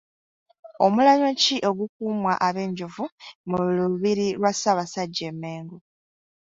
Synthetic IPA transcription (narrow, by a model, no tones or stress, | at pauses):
o̞mulaɲociʔo̞ɡuk̚uːmwaʔaβe̞ːɲɟuvumuluβiɾiɾwasaːβasaɟːe̞me̞ːŋɡu